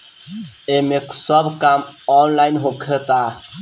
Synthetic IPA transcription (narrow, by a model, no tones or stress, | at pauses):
emeksəbkam | ɔnlaɪnɦokʰet̪a